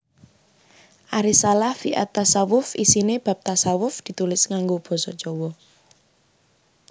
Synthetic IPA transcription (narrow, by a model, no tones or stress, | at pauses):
ʔaɾisalahfiʔa̰t̪ːasawʊfisineb̥a̤p̚t̪asawʊfd̪̥i̤t̪ulɪsŋaŋɡob̥ɔ̤sɔd͡ʒɔwɔ